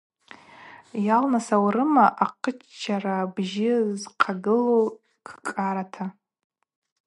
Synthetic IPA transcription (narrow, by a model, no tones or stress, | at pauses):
jalnasawɾɨmaʔaqʰət͡ʃːt͡ʃʰːarabʒɪzqʰaɡɨlo | kʰkʼaɾatʰa